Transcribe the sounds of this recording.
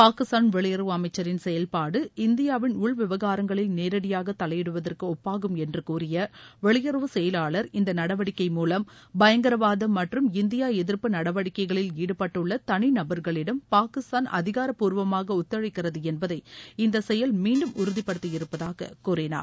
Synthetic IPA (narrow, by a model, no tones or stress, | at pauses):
paːkɪst̪aːnʋɛɭɪjɐɾɯʋɐɐmɐɪt͡ʃːɐɾɪnsɛjɐlpaːɽɯɪnd̪ɪjaːʋɪnʊɭʋɪʋɐɣaːɾɐŋɡɐɭɪlneːɾɐɽɪjaːɣɐt̪ːɐlɐjɛɽɯʋɐðɐrkɯɔpːaːɣɯmɛndrɯkuːrɪjɐʋɛɭɪjɐɾɯʋɯsɛjɐlaːɭɐɾɪnd̪ɐnɐɽɐʋɐɽɪkːɐɪmuːlɐmbɐjɐŋɡɐɾɐʋaːðɐmɐʈrɯmɪnd̪ɪjaːɛðɪɾpɯnɐɽɐʋɐɽɪkːɐɪɣɐɭɪliːɽɯpːɐʈːɯɭːɐt̪ɐɳɪnɐbɐɾɣɐɭɪɽɐmpaːkɪst̪aːnɐ̰ðɪɣaːɾɐpːuːɾʋɐmaːɣɐʊt̪ːɐɻɪkːɪrɐðɯɛnbɐðɐɪɪnd̪ɐsɛjɐlmiːɳɖɯmʊɾɯðɪpːɐɽɯt̪ːɯjɪɾɯpːɐðaːɣɐ̰kuːrɪna̰ːɾ